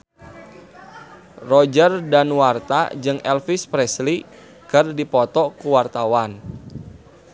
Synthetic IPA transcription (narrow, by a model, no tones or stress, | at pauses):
rɔd͡ʒərdanwart̪a̰d͡ʒɨŋɛlfispɾɛsli | kɨrdipɔt̪ɔkuwart̪awan